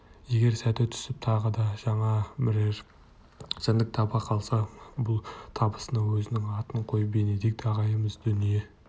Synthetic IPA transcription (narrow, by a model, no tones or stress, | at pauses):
je̞ɡʲe̞ɾsæt̪et̪ʰʏ̥sɪp̚t̪ʰɑʁəd̪ɑʒɑɴɑmɪɾeɾ | sɪnd̪ɪk̚t̪ʰɑbɑqʰɑlˠsɑbʊlˠt̪ʰɑbə̥sənɑwɵzɪnɪŋɑt̪əɴqʰo̞jbened̪ek̚d̪ɑʁɑjəməzd̪ʏnije̞